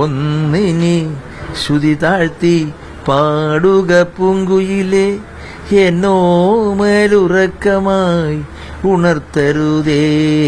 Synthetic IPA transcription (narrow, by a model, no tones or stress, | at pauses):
onːini | ɕud̪it̪aːɻt̪i | paːɽuɡɐpːuŋɡujile | enːoːmeːlurɐkːɐmaːji | uɳɐrt̪ɐɾuðe